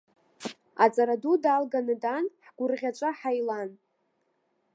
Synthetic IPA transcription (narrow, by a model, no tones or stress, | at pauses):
at͡sʼaɾadudalɡanɨdanħɡ̥ʷʊrʁʲat͡ʃʷʼaħajlan